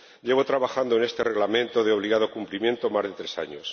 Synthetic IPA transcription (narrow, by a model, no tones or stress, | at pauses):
ɟ͡ʝe̞β̞ot̪ɾaβaxand̪oenest̪e̞reɣlamẽ̞nt̪o̞ðeo̞β̞liɣaðo̞kumplimje̞nt̪omazðe̞t̪ɾe̞sa̰ɲo̰s